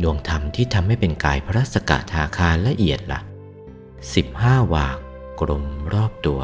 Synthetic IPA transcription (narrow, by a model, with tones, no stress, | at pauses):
nu˧˩əŋt̪ʰa˧mt̪ʰiː˥˩t̪ʰa˧mːa˥˩jpe˧nkaː˧jpʰa˧ɾaː˦˥˩t̪̚sa˧ka̰˨˩ʔt̪ʰaː˧kʰaː˧nlɛ˦˥ʔi˨˩ət̪̚la̰˨˩ʔ | si˨˩p̚haː˥˩waː˨˩kː | ɾo˧mɾɔː˥˩p̚t̪u˧ɐ